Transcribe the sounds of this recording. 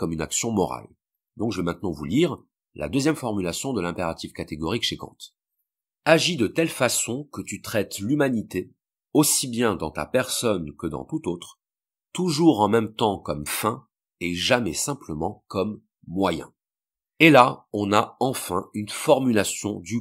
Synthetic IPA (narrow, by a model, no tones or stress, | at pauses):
kɔmyna̰ksjɔ̃mɔ̰ʁa̰l | d̪ɔ̃kʒəvɛmɛ̃t̪nɑ̃vuliʁ | la̰d̪øzjɛmfɔʁmylasjɔ̃d̪əlɛ̃peʁat̪ivkat̪eɡɔʁikʃekɑ̰̃t̪ | aʒid̪ət̪ɛlfasɔ̃kət̪yt̪χɛt̪lymanit̪e | osibjɛ̃d̪ɑ̃t̪a̰pɛʁsɔnkəd̪ɑ̰̃t̪ut̪ot̪χ | t̪uʒuʁɑ̃mɛmt̪ɑ̃kɔmfɛ̃ | eʒamɛsɛ̃pləmɑ̃kɔmː | wajɛ̰̃ | elaɔ̃naɑ̃fɛ̃ynfɔʁmylasjɔ̃d̪y